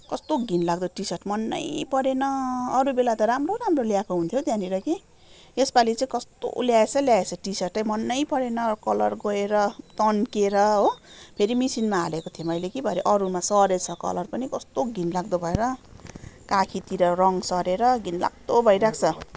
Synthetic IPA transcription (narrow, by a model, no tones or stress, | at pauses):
kʌst̪oɡʱinlaɡ̚d̪oʈisʌʈmʌnːʌ̰jpʌɾenʌːɾubelat̪ʌɾamroɾamroljakoɦunt̪ʰjot̪jãniɾʌki | espalit͡saĩkʌst̪o̰ljaet͡sʰʌljaet͡sʰʌʈisʌʈʌjmʌnːʌjpʌɾenʌkʌlʌ̰rɡʌeɾʌt̪ʌnkeɾʌɦopʰeɾimisinmaːlekot̪ʰijomʌjlekibʱʌɾeʔʌɾumasʌɾet͡sʰʌkʌ̰lʌrpʌnikʌst̪oɡʱinlaɡd̪obʱʌeɾʌ | kakʰit̪iɾʌrʌŋsʌɾeɾʌɡinla̰ɡ̚d̪obʱʌjɾak̚ʰt͡sʰʌ